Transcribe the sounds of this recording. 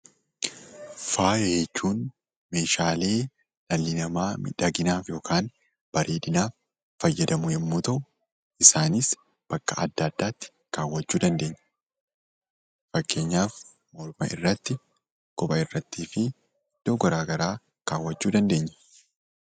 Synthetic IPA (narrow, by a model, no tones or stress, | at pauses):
faːjeːt͡ʃːuːn | me̞ːʃaːleː | nɐlːɪnɐmaːmɪ̰ᶑɐɡɪnaːfjo̞ːkʰaːn | b̥ɐɾʔeːᶑɪnaːfː | ɐjːɐd̪ɐmʊjɛmːuːt̪ɐʔʊ | ʔɪsaːnɪs | b̥ɐkːɐɐ̰d̪ːaːd̪ːaːt̪ːɪ̥ | kaːwːɐt͡ʃːuːd̪ɐnd̪e̞ːɲːɐ̥ | fɐkːe̞ːɲːaːf | mɔɾmɐ̰ʔɪ̰rːɐt̪ːɪ | kɔbɐɪrːɐt̪ːiːfɪ | d̪̥oːɡɐɾaːɡɐɾaː | kaːwːɐt͡ʃːuːd̪ɐnd̪e̞ːɲːɐ̥